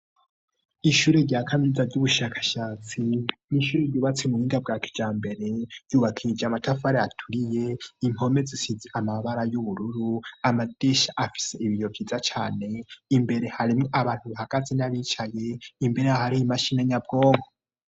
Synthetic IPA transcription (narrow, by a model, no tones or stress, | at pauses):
iʃuːɾeɾɟaːkʰaminizaɾɟuβuʃakʰḁʃaːt͡siniʃuːɾeɾɟuːβat͡semuhiːndab̚ɡaːkʰi̥d͡ʒaːmbe̞ɾe̞juːβakʰiɾid͡ʒeamatafaɾeatʰuɾije̞im̥o̞me̞zisiziʔamaβaɾajuβuɾuɾuamad̥eʃaʔafi̥se̞iβijovɟiːzat͡ʃaːne̞imbe̞ɾe̞haɾimŋoʔaβaːn̥huβahaɡ̥azenaβiːt͡ʃaje̞imbe̞ɾeahaɾiimaʃinaɲab̚ɡo̞ːŋɡo